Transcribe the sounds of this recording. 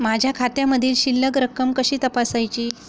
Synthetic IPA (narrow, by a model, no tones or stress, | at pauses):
mad͡ʑʱjakʰat̪jãməd̪ʱiːlɕilːəɡɾəkəmkəɕiːt̪əpasajt͡ɕiː